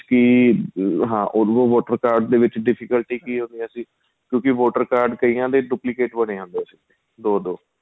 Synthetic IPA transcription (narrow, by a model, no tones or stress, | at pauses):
kiː | ɦãːʔokõːʋoːʈəɾkaːɾɖd̪eːʋɪt͡ʃɖɪpʰɪkəlʈiːkiːɦõnd̪ijãːsĩː | kjõːkɪʋoːʈəɾkaːɾɖkəiːãːd̪eːɖuːplɪkeːʈbəɽ̃eːɦãːnd̪eəsĩːe | d̪oːd̪oː